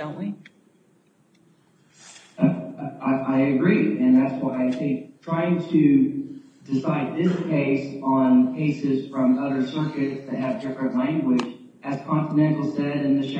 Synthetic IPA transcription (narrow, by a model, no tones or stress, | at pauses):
õʊ̃nʔwi | ʔaɪɨɡɹiɨ̃nðætswaɪɨsitʰɹ̥aɪɪ̃ŋtʰɨ | d̥ɨsaɪd̪̚ðɪskʰeɪsn̩kʰeɪsɪz̥fɹʌ̃mʌðə˞sɜ˞kɨtsðɨt̚ɦɨvdɪfɹɨ̃nʔlæ̃ŋɡwɪd͡ʒ | ʔɨz̥kʰɑ̃nfədɛ̃ntˡl̩ˠsɛɾɨ̃nðɨʃ